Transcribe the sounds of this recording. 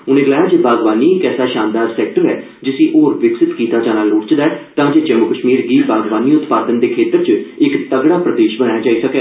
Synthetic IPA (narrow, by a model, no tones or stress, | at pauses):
ʊnẽːɡəlaːjaːd͡ʒebʱaːɡʋaːniːɪkɛːsaːʃãːnd̪aːɾsɛːkʈəɾɦɛː | d͡ʒɪsiːʔoːɾʋɪksɪt̪kiːt̪aːd͡ʒãːnaːloːʈt͡ʃd̪aɛːt̪ãːd͡ʒeːt͡ʃɛmʊkəʃmiːɾɡiːbʱaːɡʋaːniːʊt̪paːd̪ənd̪eːkʰeːt̪əɾt͡ʃɪkt̪əɡɽaːpɾəd̪eːʃbəñaːjaːd͡ʒaːiːsəkɛː